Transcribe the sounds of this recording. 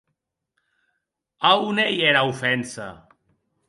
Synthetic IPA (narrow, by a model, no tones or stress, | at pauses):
aunejeɾaufɛnsa̰